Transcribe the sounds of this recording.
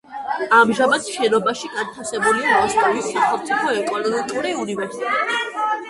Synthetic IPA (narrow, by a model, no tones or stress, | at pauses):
amʒamad̪ʃɛnɔbaʃiɡant̪ʰasɛbuliamɔstʼɔvismaχɛlˠmt̪sʰipʰɔɛkʼɔnɔmikʼuɾiunivɛɾsi̥t̪ɛt̪ʼɛb